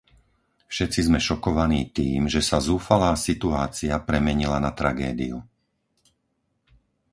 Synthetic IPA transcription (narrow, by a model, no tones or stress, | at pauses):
fʃɛt͡sizmɛʃɔkɔʋaniːt̪iːmʒɛsazuːfalaːsit̪uaːt͡siapɾɛmɛɲilanat̪ɾaɡɛːd̪iju